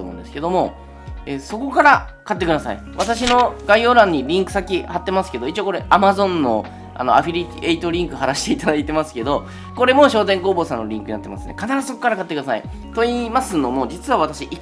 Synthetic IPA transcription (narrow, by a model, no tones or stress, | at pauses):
omõ̰ːnd̪esɨ̥ke̞d̪o̞mo̞ | eːso̞ko̞kaɾakat̪ːe̞kɯd̪asa̰ḭβat̪aɕ̬ino̞ɡaijo̞ːɾãɲ̟ːiɾʲĩŋkɯ̟̥sakʲihat̪ːe̞masɨ̥ke̞d̪o̞it͡ɕioko̞ɾe̞amazõ̞nːo̞ | a̰no̞a̰ɸʲiɾʲi | eit̪o̞ɾʲĩŋkɯ̟ɦaɾaɕi̥t̪e̞it̪ad̪ait̪e̞masɨ̥ke̞d̪o̞ | ko̞ɾe̞mo̞ɕo̞ːt̪ẽ̞ŋko̞ːboːsãnːo̞ɾʲĩŋkɯ̟inat̪ːema̰sɨnḛkanaɾazso̞kokaɾakat̪ːekd̪asaḭ | t̪o̞iːmasɨno̞mo̞d͡ʑit͡sɨβaβ̞at̪aɕiʔi